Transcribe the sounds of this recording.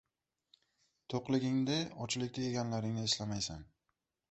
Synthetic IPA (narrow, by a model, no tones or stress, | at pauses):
t̪ʰoqlˠɪɡʲɪŋd̪ɪɒt͡ʃlɪk̚ʲt̪ajeɡʲanlaɾɪŋnɪːʃlamajsan